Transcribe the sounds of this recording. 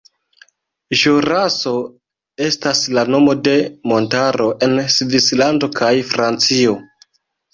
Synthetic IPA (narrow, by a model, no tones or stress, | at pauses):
ʒoɾaso̞ | e̞staslano̞mo̞de̞mo̞ntaɾo̞ʔe̞nsvislando̞kʰajfɾant͡sio̞